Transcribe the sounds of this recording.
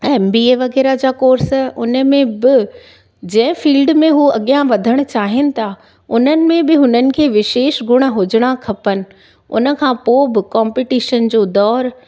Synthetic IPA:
ɛːmbiːeːʋɐɣɛːɾad͡ʑaːkoːɾsʔʊnə̆mẽbɪ | d͡ʑɐ̃ɦɪ̃fiːlɖmẽɦuɐɠijãʋɐd̪ʱəɽ̃ʊ̆t͡ɕaːɦɪnɪ̆t̪ʰaː | ʊnənɪ̆mẽbɪɦʊnənɪ̆kʰeːʋɪʃeːʃɡʱʊɽ̃ə̆ɦʊd͡ʑɪɽ̃akʰɐpənɪ̆ | ʊ̰nə̆kʰãːpoːbɪkãːmpɪʈiːʃənd͡ʑoːd̪ɔːɾ

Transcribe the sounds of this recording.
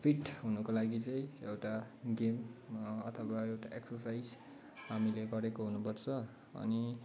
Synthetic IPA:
pʰiʈɦunukolaɡit͡sʌjewʈaɡemʌt̪ʰʌwaewʈaʔeksʌrsajd͡z | hamileɡʌɾekoɦunupʌrt͡sʰʌ | ʌ̰ni

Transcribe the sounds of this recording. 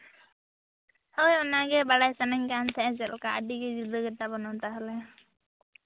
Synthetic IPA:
hojɔnaɡɛbaɽajsanɛŋkant̪ʰɛʔɛ̃d͡ʒɛlkaə̰ɖiɡɛd͡ʒud̪əɡɛt̪abɔnɔt̪aɦɔlɛ

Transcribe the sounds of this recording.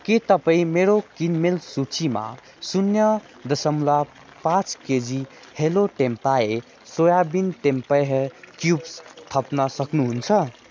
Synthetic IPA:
ket̪əpaĩmeɾokinmelsut͡ʃima̰ | sunjʌ | d̪əsəmula | pãt͡ʃked͡ʒi | heloʈempae | sojabinʈempəɦekjubst̪ʰəpnʌsəknuɦunt͡sʰʌ

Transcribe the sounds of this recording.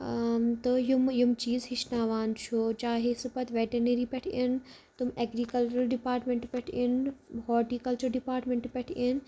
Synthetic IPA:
t̪ɐjʊmjʊmt͡ɕiːzɦɪt͡ʃʰnaːʋaːnt͡ʃʰot͡ʃaːɦesɪpɐt̪ʰʋeːʈeɾneɾiːpeʈʰɪn | t̪ʊmeːɡɾiːkɐlt͡ʃuɾɐlɖɪpaːɾʈmẽɳʈpeʈʰɪnɦɔːʈiːkɐlt͡ʃuɾɖɪpaːɾʈmẽɳʈpeʈʰin

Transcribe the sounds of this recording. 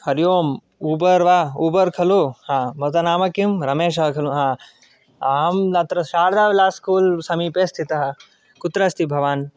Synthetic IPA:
hɐɾjoːm | uːbɐɾʋauːbɐɾkʰɐlohãːmɐt̪ɐnaːmɐkimɾɐmeːʃɐɦɐkʰɐluɦãː | aːɦɐmnɐt̪ɾɐʃaːɾd̪aːʋlaːskuːlsɐmipest̪ʰit̪ɐɦɐ̆ | kut̪ɾɐst̪ʰibʱɐʋaːn

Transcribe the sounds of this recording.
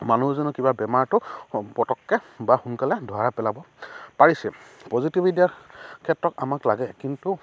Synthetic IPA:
manuɦzɔnɔkibabɛmaɹtʊpɔtɔkːɛbaxunkalɛdʱaɹapɛlabɔ | paɹisɛpɔzitibʱidijakʰɛtɹɔtamaklaɡɛkintu

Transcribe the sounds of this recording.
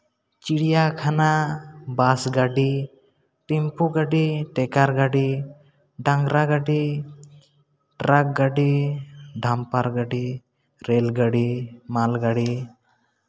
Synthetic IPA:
t͡ʃiɽijakʰanabasɡaɖi | ʈimpuɡaɖiʈɛkaɾɡaɖi | ɖaŋɡɾaɡaɖi | ʈɾak̚ɡaɖiɖʱampaɾɡaɖi | ɾɛlɡaɖimalɡaɖi

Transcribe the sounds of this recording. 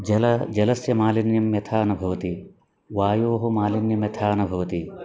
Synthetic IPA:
d͡ʒɐlɐd͡ʒɐlɐsjɐmaːlinjɐmjɐt̪ʰaːɐnubʱɐʋɐt̪i | ʋaːjoːɦɐmaːlinjɐmjɐt̪ʰaːɐnubʱɐʋɐt̪i

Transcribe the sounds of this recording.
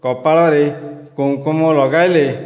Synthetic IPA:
kɔpaɭɔɾekuũkumɔlɔɡajle

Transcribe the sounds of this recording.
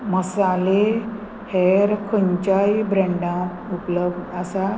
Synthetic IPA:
məsale | heɾkʰəɲt͡ɕajbɾɛ̃ɳɖã | upləbasa

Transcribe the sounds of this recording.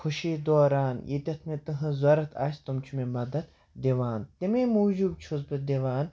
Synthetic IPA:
xʰʊʃiːd̪oːɾaːnjʔḭt̪ʲɐt̪ʰmet̪ɨɦɨ̃zɐɾɐt̪ʰa̰ːsʲt̪umt͡ʃʰumemɐd̪ɐt̪ | d̪iʋaːnt̪emeːmuːd͡ʒuːb̚t͡ʃʰʊzbɨd̪eʋaːn

